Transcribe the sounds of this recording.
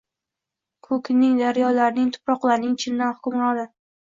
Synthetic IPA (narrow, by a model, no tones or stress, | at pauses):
kʰɵkʲʰnɪŋd̪aɾjɒlaɾnɪŋt̪ʰʊ̥pɾɒqlˠaɾnɪŋt͡ʃʰɪnd̪anhʊkʰʲʊmlad̪ɪ